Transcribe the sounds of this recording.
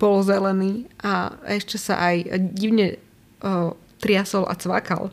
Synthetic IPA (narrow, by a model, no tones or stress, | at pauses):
b̥ɔlzɛlɛniːʔaɛʃcɛsa̰ʔajɟiʊɲɛ | t̪ɾɪasɔlʔa̰t͡sʋa̰ka̰l